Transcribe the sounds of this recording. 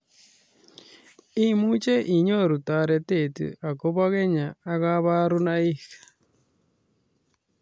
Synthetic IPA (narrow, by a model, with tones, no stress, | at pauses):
i˦mu˦t͡ʃe˦ʔi˨ɲo˦˨ɾu˨ta˨ɾe˨te˦˨tɯ̰˨a˨ko˦βa˦ɣe˦ɲaː˨˦ɣa˦βa˦ɾu˦na˦i˦kḁ˨